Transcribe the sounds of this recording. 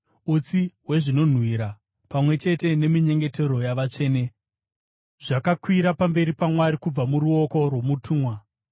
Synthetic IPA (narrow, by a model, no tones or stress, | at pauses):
ut͡siwe̞ʐino̞n̤wiɾa | pamwe̞t͡ʃe̞te̞ne̞miɲe̞ŋɡe̞te̞ɾo̞jaʋat͡ʂe̞ːne̞ | ʐ̥akakwiɾapambe̞ɾipamwaɾikub͡vamuɾuo̞ko̞rwo̞mutʰuːmwa